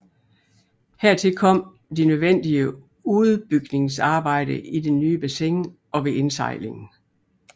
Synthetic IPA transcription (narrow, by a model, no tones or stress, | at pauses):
heɐ̰t͡sʰe̝lkʰɒ̽m̰ | d̥inøð̞ˠʋen̰d̥iə | uð̩ˠb̥yɡ̥ne̝ŋsɑ̈ːb̥ɑ̈ɪ̰d̥əid̥enːyːb̥æseŋ | ɒ̽ʋe̝ʔe̝nsɑ̈ɪle̝ŋn̩